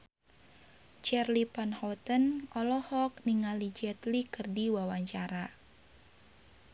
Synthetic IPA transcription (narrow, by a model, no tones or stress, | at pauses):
t͡ʃɛrlipanhɔt̪ənʔɔlɔhɔk̚niŋalid͡ʒɛt̪likɨrdiwawaɲt͡ʃaɾa